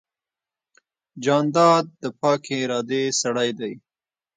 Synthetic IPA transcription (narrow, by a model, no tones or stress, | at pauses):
d͡ʒɑnd̪ɑd̪̚ːəpɑkeɾɑd̪esaɽajd̪aj